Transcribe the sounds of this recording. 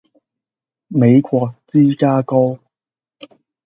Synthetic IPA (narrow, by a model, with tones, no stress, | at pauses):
me˨˧jkʷɔː˧k̚t͡siː˥kaː˥ko˥w